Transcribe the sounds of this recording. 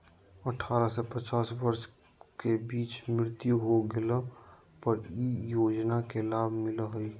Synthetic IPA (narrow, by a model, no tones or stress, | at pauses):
əʈʰaːɾasɛpət͡ʃaːsʋəɾʃ | kebiːt͡ʃmɪɾɪt̪juɦoɡɪlə | pəɾijoːd͡ʒnakelaːbʱmɪləɦoi